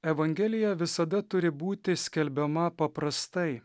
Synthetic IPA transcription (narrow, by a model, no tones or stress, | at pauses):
ɛʋɐŋʲɡʲɛlʲɪjɛʋʲɪsɐd̪ɐt̪ʊɾʲɪbuːt̪ʲɪsʲkʲɛlʲbʲɛmɐpɐpɾɐst̪ɐɪ